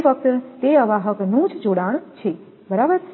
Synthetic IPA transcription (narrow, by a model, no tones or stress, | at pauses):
fək̚t̪t̪eəʋaɦəknũd͡ʒd͡ʒoɽaɳ̃t͡ʃʰe | bəɾabəɾ